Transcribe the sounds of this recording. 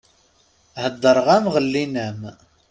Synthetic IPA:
həd̪ˤːəɾˤʁæmʁəlːinəm

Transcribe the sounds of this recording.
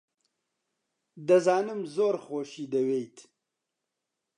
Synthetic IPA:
d̪ɐzɑːnəmzoːɾχoːʃid̪ɐwejt̪ʰ

